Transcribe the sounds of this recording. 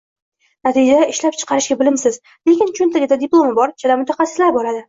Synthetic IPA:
nat̪ʰid͡ʒad̪aɪʃlap̚t͡ʃʰɨ̥qʰɑɾɪʃɡʲabɪlɪmsɪz | le̞kʲɪnt͡ʃʰʊnt̪ʰaɡʲad̪ad̪ɪplˠo̞mɪbɒɾt͡ʃʰad̪amʊt̪ʰaχɑsɪslaɾbɒɾad̪ɪ

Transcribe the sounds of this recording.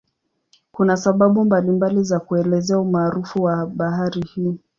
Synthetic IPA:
kunasaɓaɓumbalimbalizakuɛlɛzɛaumaːɾufuwaɓaɦaɾihiː

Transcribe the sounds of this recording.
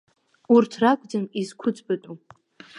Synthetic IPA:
urtʰrakʷʼd͡zanizkʷʰʊd͡zbatʼu

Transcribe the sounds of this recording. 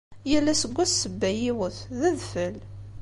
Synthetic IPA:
jəlːæsəɡʷːæθsəbːæjiwəθðæðfəl

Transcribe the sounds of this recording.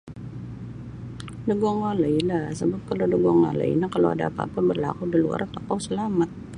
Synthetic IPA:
dəɡɔŋaləilahsəbap̚kalowdəɡɔŋa̰lə̰ḭnakalo̰wa̰da̰pa̰pabərla̰kudilua̰rt̪ɔkawsəlamat̪̚

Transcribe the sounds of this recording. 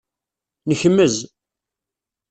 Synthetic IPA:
nəçəmːəz

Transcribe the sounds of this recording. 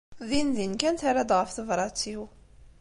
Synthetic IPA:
ðinðinkænt̪aɾad̪ʁəfθəvɾˤɑt͡sːiw

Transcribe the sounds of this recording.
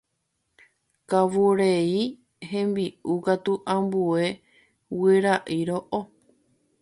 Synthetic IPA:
kaʋuɾei | hẽ̞mbiukat̪uʔãmbue̞ | wɨɾaʔiɾoʔo

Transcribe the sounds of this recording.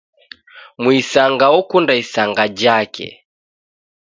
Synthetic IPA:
mwisaŋɡaɔkundaisaŋɡad͡ʒakɛ̰

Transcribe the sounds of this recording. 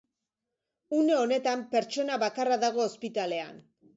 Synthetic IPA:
une̞o̞ne̞t̪ampe̞ɾt͡ʃo̞naβakaraðaɣ̞o̞ːspit̪ale̞a̰n

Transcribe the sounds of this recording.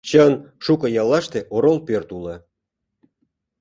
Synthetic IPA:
t͡ɕənʂukɤ̆jɑlːɑʃt̪eʔoɾolpørt̪ulə̆

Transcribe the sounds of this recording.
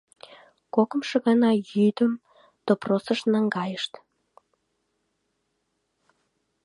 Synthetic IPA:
kokə̆mʃɤ̆ɣɑnɑjyd̪əm | t̪oprosəʃnɑŋɡɑjəʃt̪

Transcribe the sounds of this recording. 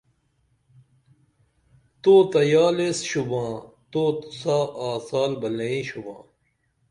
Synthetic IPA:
t̪oːt̪ɐjaːleːsɕubãː | t̪oːt̪u̥saːʔaːsaːlbɐleĩːɕubã̰ː

